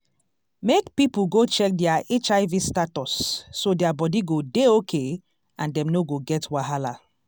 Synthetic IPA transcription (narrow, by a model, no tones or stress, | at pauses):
mekpipuɡot͡ʃɛk̚dɛaʔet͡ʃaɪvistatɔsːodɛabɔdiɡodeokʰe | ãndɛ̃mnoɡoɡɛtwaɦala̰